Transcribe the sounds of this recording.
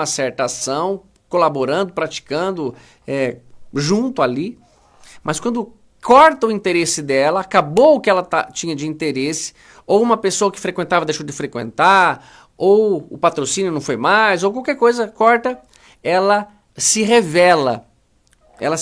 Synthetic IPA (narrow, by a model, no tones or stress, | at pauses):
ɐsɛɾt̪asɐ̃w̃ | kolaboɾɐ̃nd̪ʊpɾat͡ʃi̥kɐ̃nd̪ʊ | ɛʒũnt̪ʊali | mʔɐskwɐ̃nd̪ʊ | kʰɔɾt̪ɐʊĩt̪eɾesɪd̪ɛlɐakabowʊkɪɛlɐt̪at͡ʃĩɲɐd͡ʒɪĩnt̪eɾesɪ̥ | owũmɐpesoɐkɪ̥fɾekwẽnt̪avɐd̪ejʃowd͡ʒɪfɾekwḛ̃nt̪aɾ | owʊ̰pat̪ɾosĩnjʊnɐ̃w̃fojmajzowkwawkɛɾkojzɐkɔɾt̪ɐ | ɛlɐ | sɪɦevɛlɐ̰ | ɛ̰lɐ